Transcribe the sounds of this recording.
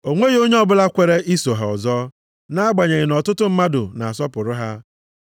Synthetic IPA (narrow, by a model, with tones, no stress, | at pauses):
o˨ŋʷe˦ɣo˦ɲe˦ɔ˦bʊ˦la˦kʷe˨ɾe˦ʔi˦so˨ɦa˨ɔ˨zɔ˦ | na˦ɡ͡ba˨ɲe˨ɣɪ˨nɔ˨tʊ˦tʊ˦m̩˦ma˦dʊ̰˨na˨a˨sɔ˦pʊ˨ɾʊ˦ɦa˦